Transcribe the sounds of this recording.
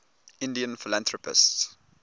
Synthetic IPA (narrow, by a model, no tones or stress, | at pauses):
ɪ̃ndiə̃nfɪlãnθɹɔpɪ̰sts